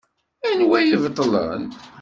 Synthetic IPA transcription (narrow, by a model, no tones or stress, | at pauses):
ænwæjivt̪ˤːlə̰n